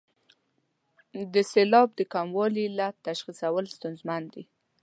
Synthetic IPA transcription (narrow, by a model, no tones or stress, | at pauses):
d̪əselɑb̚d̪əkamwɑlilat̪ːaʃxisawəlst̪ʊnzmand̪i